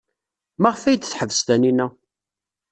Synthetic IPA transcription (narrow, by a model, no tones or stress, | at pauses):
maʁfæjd̪θħəvːəst̪æninæ